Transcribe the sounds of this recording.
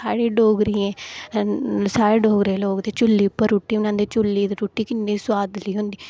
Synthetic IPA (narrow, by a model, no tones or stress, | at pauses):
a̰ːɽeːɖoːɡɾiːɛ̃ː | saːɾeːɖoːɡɾeːloːkd̪eːt͡ʃʊlːiːpəɾuːʈːiːʊnãːnd̪eːt͡ʃʊlːiːd̪eɾuːʈːiːkɪnːĩːsʊwaːd̪liːɦʊ̃nd̪iː